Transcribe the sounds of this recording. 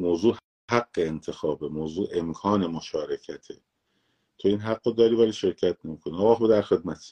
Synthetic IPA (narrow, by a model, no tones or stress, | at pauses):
moːzuːh | hæɡːeːnt̪ʰe̞xɒːbe̞moːzuːʔe̞mkʰɒːne̞moʃɒːɾecʰæt̪ʰe̞ | t̪ʰo̞iːnɦæɡːod̪ɒːɾiːvæliːʃe̞ɾcʰæt̪̚ʰne̞miːkʰoniɒːɣɒːxod̪æɾxe̞d̪̚mæt̪ʰ